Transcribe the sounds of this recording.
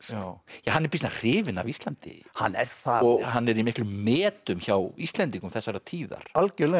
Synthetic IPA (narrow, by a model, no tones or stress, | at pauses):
awjaɦanːɛɾpisnar̥ɪːvɪna̰vist̪lant̪ɪ̰ha̰nːɛ̰ɾ̥θaɔɣhanːɛɾimɪklʏmːɛːt̪ʏmçawist̪lɛnt̪iŋkʏmθɛsːaɾat̪ʰiːða̰ɾ̥alcɛlɛ